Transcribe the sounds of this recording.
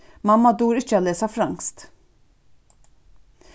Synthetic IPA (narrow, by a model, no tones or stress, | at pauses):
mɑmɑd̪uːɾɪçəɑleːsɑfɾɑŋst̪